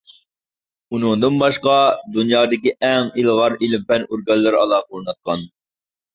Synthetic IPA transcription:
unɨŋd̪ɨnbɑʃqɑd̪unjɑːd̪ɪkʲiʔɛŋilˠʁɑɾilɪmpɛnoɾɡɑnlːˠɨɾɑ̰lˠɑːqolˠnɑt̪̚qʰɑn

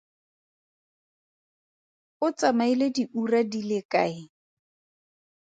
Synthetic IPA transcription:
ʊt͡sʼamailediʔuradilɪkʼaːɪ

